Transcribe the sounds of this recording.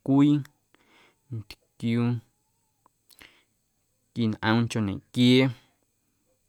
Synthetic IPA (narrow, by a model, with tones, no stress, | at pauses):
kʷiː˦ | nt̪kjuː˧ | ki˨nʔə̃˧t͡ʃo˧˨nḛ̃˨ʔkje˦